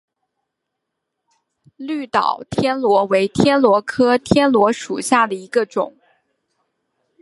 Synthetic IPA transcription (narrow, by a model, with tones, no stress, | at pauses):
ly˥˩t̪ɑ̰˨˩ʊt̪ʰjɛ˥nlwɔ˧˥we˧˥ɪt̪ʰjɛ˥nlwɔ˧˥kʰɤ˥t̪ʰjɛ˥nlwɔ˧˥ʂu˨˩ɕja˥˩d̪ə˩i˧˥ɡə˧ʈ͡ʂʊ̰˨˩˦ŋ